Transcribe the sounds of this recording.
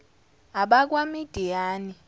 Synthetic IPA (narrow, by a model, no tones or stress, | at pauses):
aɓak̬wamid̥ʱijaːni